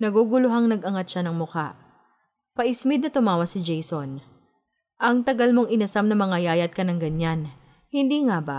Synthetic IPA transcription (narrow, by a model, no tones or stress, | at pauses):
nɐɡuɡʊlʊɦaŋnɐɡʔɐŋat̪̚ʃanɐŋmʊka̰ʔ | pɐʔɪsmɪd̪̚nɐt̪ʊmaːwɐt̪sɪd͡ʒɛjson | ʔɐŋt̪ɐɡɐlmo̞ŋɪnɐsamnɐmɐŋɐjaːjɐt̪̚kɐnɐŋɡɐɲan | hɪnd̪iːŋabɐ